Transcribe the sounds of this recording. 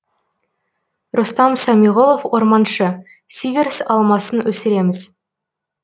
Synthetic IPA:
rʊst̪ɑmsɑmiʁo̞lˠofwo̞ɾmɑnʃə | sivʲeɾsɑlˠmɑsənwɵsɪɾe̞mɪz

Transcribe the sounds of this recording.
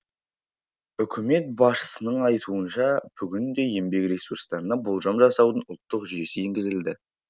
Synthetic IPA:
ʏkʲʰɪme̞t̪̚bɑʃə̥sənəɴɑjt̪ʰuənʃɑb̥ʏɡʲɪnd̪e̞je̞mbe̞kɾʲesuɾst̪ɑɾənɑbolˠʒɑmʒɑsɑwd̪ənʊlˠt̪ːəqʒʏje̞sɪeŋɡʲɪzɪld̪ɪ

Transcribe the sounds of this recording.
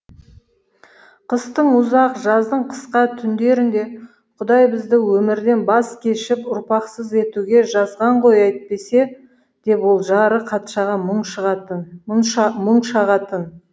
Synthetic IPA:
qʰəst̪əɴʊzɑqʒɑzd̪əɴqʰə̥sqɑt̪ʰʏnd̪e̞ɾɪnd̪e̞ | qʰʊd̪ɑjbɪzd̪ɪwɵmɪɾd̪e̞nbɑskʲʰe̞ʃɪpʊɾpɑqsəze̞t̪uɡʲe̞ʒɑzʁɑɴʁo̞jɑjt̪pe̞se̞ | d̪̥e̞pwo̞lˠʒɑɾəqʰɑt̪ʃɑʁɑʃʁ | məɴʃɑʁɑt̪ən

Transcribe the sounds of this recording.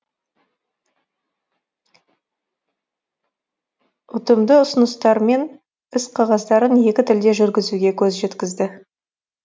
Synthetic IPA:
ʊt̪əmd̪əʊsənəst̪ɑɾme̞n | ɪsqʰɑʁɑzd̪ɑɾənje̞kʲɪt̪ʰɪld̪e̞ʒʏɾɡʲɪzuɡʲe̞kʲʰɵzʒe̞t̪kʲɪzd̪ɪ

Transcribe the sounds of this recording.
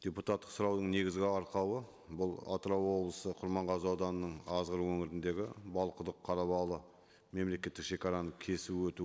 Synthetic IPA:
d̥ʲeput̪at̪ːə̥qsʊɾɑwd̪əɴne̞ɡʲɪzɡʲɪɑɾqɑwə | bʊlˠɑ̰t̪ɾɑwwo̞blˠəsəqʰʊɾmɑɴʁɑzəɑwd̪ɑnənəɴɑzʁəɾwɵŋɪɾɪnd̪e̞ɡʲɪbɑlˠqəd̪əqʰːɑɾɑβɑlˠə | me̞mle̞kʲe̞t̪ːɪkʃe̞kʲɑɾɑnəkʲʰe̞suwɵt̪u

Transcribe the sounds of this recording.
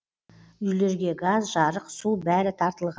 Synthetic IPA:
ʏjle̞ɾɡʲe̞ɡazʒɑɾəqsubæɾɪt̪ʰɑɾt̪əlˠʁɑ

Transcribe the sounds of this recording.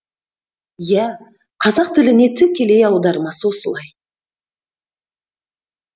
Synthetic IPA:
jæ | qʰɑzɑq̚t̪ʰɪlɪne̞t̪ʰʏkʲʰːe̞le̞jɑwd̪ɑɾəmɑsəwo̞səlˠɑj

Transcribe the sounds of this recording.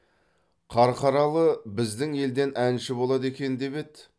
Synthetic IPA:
qʰɑɾqɑɾɑlˠəbɪzd̪ɪŋe̞ld̪e̞nʔænʃɪbo̞lˠɑd̪e̞kʲe̞nd̪e̞be̞t̪

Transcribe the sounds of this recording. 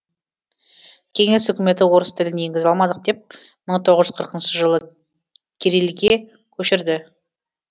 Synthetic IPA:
kʲʰe̞ŋe̞sʏkʲɪme̞t̪ɪwo̞ɾəst̪ʰɪlɪnje̞ŋɡʲɪzɑlˠmɑd̪əq̚d̪e̞p̚ | məɴt̪ʰo̞ʁəzʒʏzqʰəɾqənʃəʒəlˠə | kʲʰeɾelɡʲe | kʲʰɵʃɪɾd̪ɪ

